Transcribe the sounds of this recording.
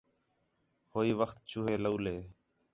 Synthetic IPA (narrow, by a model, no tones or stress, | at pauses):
hoːiːʋəxt̪̚t͡ʃuːɦeːləuːleː